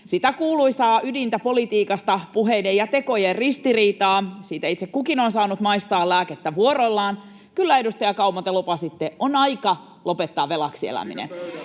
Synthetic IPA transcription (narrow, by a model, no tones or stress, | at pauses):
sit̪ækuːluisɑːʔydint̪æpo̞lit̪iːkɑst̪ɑpuɦeidejɑt̪e̞ko̞jerrist̪iriːt̪ɑːsiːt̪æit̪sekkukinonsɑːnut̪mɑist̪ɑːllæːket̪ːæʋuoɾolːɑːn | kylːæedust̪ɑjɑkɑumɑt̪elopɑsit̪ːeʔonɑikɑ | lo̞pet̪ːɑːʋelɑksiḛlæ̰mḭnḛn